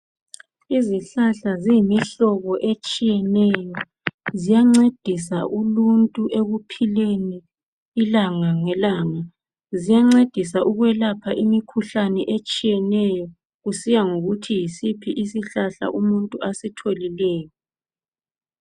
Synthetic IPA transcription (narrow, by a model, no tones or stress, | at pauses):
iziɬaɬaziimiɬɔɣɔʔet͡ʃʼijɛnɛjɔ | zijaŋ͡ǀed̥ʱisa̰ʔuluntʼuʔeɣupʰileniː | laŋaŋɛlaːŋa | zijaŋ͡ǀed̥ʱisaʔuɣwɛlapʰaʔimikʰuɬanɛʔet͡ʃʼijɛnɛjɔ | ɣusijaŋoɣutʰijisipʰiʔisiɬaɬa̰ʔumuntʼuasitʰolilɛːjɔ